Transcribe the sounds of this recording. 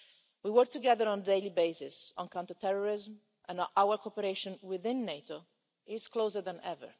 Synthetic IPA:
wiwɜɹk̚t̪uɡɛðəɹɔ̃ndeɪlibeɪsɪsɔ̃nkãw̃nt̪ət̪ɛɹɔɹɪzm | ʔɛ̃nʔawəɹkʰɔpəɾeɪʃɔ̃nwɪðɪ̃nːeɪto | ʔɪzkloːzəɾðæ̃nʔɛvə̰ɹ

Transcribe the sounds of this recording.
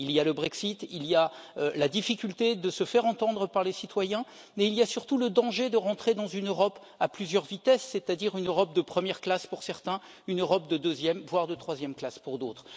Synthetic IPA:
ilijaləbʁɛksit̪ilijalad̪ifikʲylt̪ed̪əsəfɛʁɑ̃t̪ɑ̃d̪ʁəpaʁlesit̪wajɛ̃ | mɛiliasyʁt̪uləd̪ɑ̃ʒed̪əʁɑ̃t̪χed̪ɑ̃zynøʁɔp | aplyzjœʁvit̪ɛsːɛt̪ad̪iʁynøʁɔp̚d̪əpχəmjɛʁklaspuʁsɛʁt̪ɛ̃ | ynøʁɔp̚d̪əd̪øzjɛmvwaʁd̪ət̪χwazjɛmklaspuʁd̪ot̪χ

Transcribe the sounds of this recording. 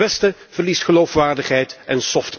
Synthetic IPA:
ɛstə | v̥ərlistχəlowfʋaːɹdəχɦɛjtɛnsɔft

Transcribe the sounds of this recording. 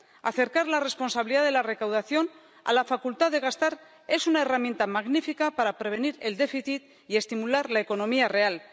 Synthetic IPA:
a̰θe̞ɾkaɾlare̞spo̞nsaβiliðaðe̞lare̞kawð̞aθjo̞n | a̰lafakult̪aðe̞ɣ̞ast̪aɾ | e̞sunaeramjẽ̞nt̪amaɣnifikapaɾapɾe̞β̞e̞niɾe̞ld̪e̞fiθit̪ | ie̞st̪imulaɾlae̞ko̞no̞miare̞al

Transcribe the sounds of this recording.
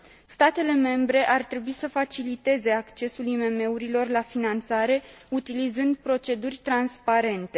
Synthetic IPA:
st̪at̪e̞le̞me̞mbɾe̞ʔart̪ɾe̞buisəfat͡ʃilit̪e̞ze̞akt͡ʃe̞sulime̞me̞uɾilo̞rlafinant̪saɾe̞ut̪ilizɨnd̪̚pɾo̞t͡ʃe̞d̪urʲt̪ɾanspaɾe̞nt̪e̞

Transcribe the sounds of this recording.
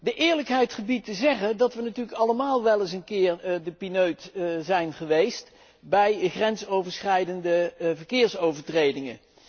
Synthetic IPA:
dəʔɪːɹləkɦɛjtχəbitəzɛχədɑtʋənatyːɹləkɑləmaːlˠʋɛlˠɪsənkɪːɹdəpinøɥtzɛjnχəʋejst | bɛjχrɛnsowvəɹsχɛjdəndəvəɹkɪːɹsowvəɹtrejdɪŋə

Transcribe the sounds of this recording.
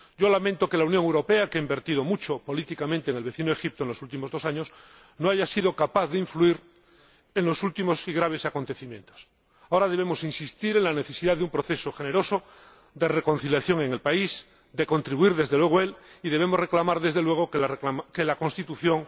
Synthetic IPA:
ɟ͡ʝo̞lamẽnt̪o̞ke̞launjoŋewɾo̞pe̞akeaimbe̞ɾt̪iðo̞mut͡ʃopo̞lit̪ikamẽnt̪eːŋelβe̞θinoexip̚t̪oenlo̞sult̪imozðo̞saɲos | noaʝasið̞o̞kapaθðeiɱfluiɾ | enlo̞sult̪imo̞siɣɾaβ̞e̞sako̞nt̪eθimjẽ̞nt̪o̥s | aoɾað̞eβe̞mo̞sinsist̪iɾe̞ŋlane̞θe̞siðaðeumpɾo̞θe̞soxe̞ne̞ɾo̞so | d̪e̞reko̞nθiljaθjo̞ŋe̞ŋelpais | d̪e̞ko̞nt̪ɾiβuiɾðe̞zðelwe̞ɣ̞oe̞liðe̞β̞e̞mo̞zre̞klamaɾðe̞zðe̞lwe̞ɣ̞okaakelako̞nst̪it̪uθjo̞ŋ

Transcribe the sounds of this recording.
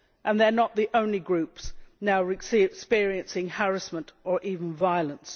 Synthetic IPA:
ʔɨ̃nðə˞nət̪̚ðiʔõʊ̃nliɡɹʉpsnaʊɹɨksikspɪɹiɨ̃nsɪ̃ŋhɛɹɨsmə̃ntʔə˞ʔivə̃n̩vaɪlˠə̃ns

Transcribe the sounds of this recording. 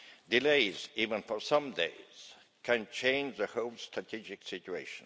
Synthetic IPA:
dɪleɪz̥ivə̃nfə˞sʌ̃mdeɪz̥ | kʰæ̃nt͡ʃʰẽɪ̃nd͡ʒðəhoʊlˠstʰɹ̥atʰid͡ʒɪksɪtueɪʃə̃n

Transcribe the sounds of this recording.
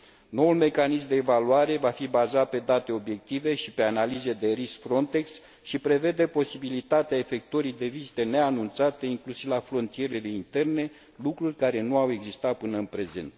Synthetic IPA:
no̞ulme̞kanismd̪e̞ːvaluaɾe̞vafibazat̪̚pe̞d̪at̪e̞o̞bje̞k̚t̪ive̞ʃipe̞analize̞d̪e̞ɾiskfɾo̞nt̪e̞ks | ʃipɾe̞ve̞d̪e̞po̞sibilit̪at̪eae̞fe̞k̚t̪oɾid̪e̞vizit̪ene̞anunt̪sat̪e̞iŋklusivafɾo̞nt̪ije̞ɾe̞le̞int̪e̞rne̞ | lukɾurʲkaɾe̞nuawe̞ɡzist̪at̪̚pɨnəɨnpɾe̞ze̞̰nt̪

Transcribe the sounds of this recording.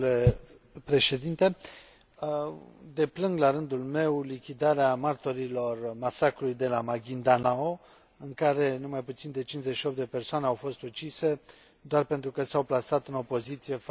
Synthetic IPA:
le | pɾe̞ʃe̞d̪int̪e̞ | d̪e̞plɨŋɡlaɾɨnd̪ulme̞wlikʲid̪aɾeamart̪o̞ɾilo̞rmasakɾulujd̪e̞lamaɡʲind̪anao | ɨŋkaɾe̞numajput̪sind̪e̞t͡ʃinzeʃio̞p̚t̪d̪e̞pe̞rsoane̞awfo̞st̪ut͡ʃise̞ | d̪oarpent̪ɾukəsawplasat̪ɨno̞po̞zit̪sije̞f

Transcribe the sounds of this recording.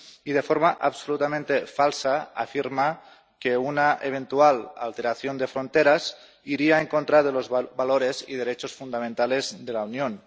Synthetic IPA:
ið̞efoɾmaʔaβsolut̪amẽnt̪efalˠsaa̰fiɾma | keunaʔeβ̞ent̪uala̰lˠt̪eɾaθjond̪efɾont̪eɾaz | iɾiaeŋkont̪ɾaðelozβaloɾezḭð̞eɾet͡ʃosfund̪amẽnt̪alezðelaunjon

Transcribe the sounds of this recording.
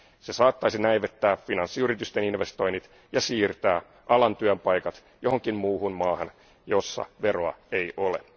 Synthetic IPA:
se̞sɑːt̪ːɑjsinæjʋet̪ːæːffinɑnsːiyɾit̪yst̪eninʋe̞st̪o̞jnit̪ | jɑsiːrt̪æː | ʔɑlɑnt̪yømpɑjkɑt̪ | jo̞hoŋkimmuːhunmɑːhɑn | jo̞sːɑ̰ʋero̞ɑ̰ejʔo̞lḛ

